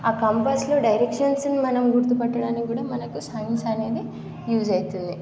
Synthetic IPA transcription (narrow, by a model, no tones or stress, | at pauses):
aːkɐmpaːslo̞ːɖɐjɾekʂɐnsnimɐnɐmɡuɾt̪upɐʈːɐɽaːnikɡuːɽaːmɐnɐkusɐjinsɐne̞ːd̪i | juːd͡ʒɐjt̪und̪i